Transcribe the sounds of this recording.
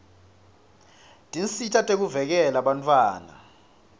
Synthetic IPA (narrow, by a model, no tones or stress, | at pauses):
d̥ʼʱinsitʰatʼek̬uvɛk̬ɛlaɓantʰʼwaːna̰